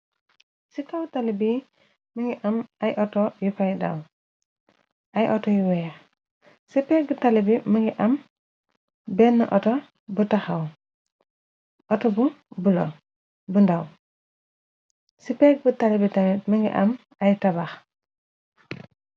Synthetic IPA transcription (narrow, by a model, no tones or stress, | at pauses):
sikawtalibi | miŋɡiʔɐmʔɐjʔɔtɔjupajda̰w | ʔɐjʔɔtɔjuwɛːx | sipɛːk̚butɐlibimɐŋɡiʔɐm | bɛnːɐʔɔtɔ | butaxɐw | ʔɔtɔbubulɔ̰ | bundaw | sipɛːk̚butɐlibitɐmiməŋɡḭʔɐ̰m | ɐjtɐbax